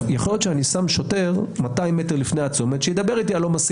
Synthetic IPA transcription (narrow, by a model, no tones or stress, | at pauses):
jaχo̞ljott͡ʃʃeanisamʃote̞ʁmat̪aimːet̪eʁlifnejat͡somet̪ʃejed̪abe̞ʁit̪ialo̞mas